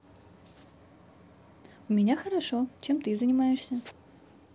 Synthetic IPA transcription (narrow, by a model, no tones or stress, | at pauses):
ʊmʲɪnʲaxəɾɐʂot͡ɕemt̪ɨzənʲɪmajɪʂsʲə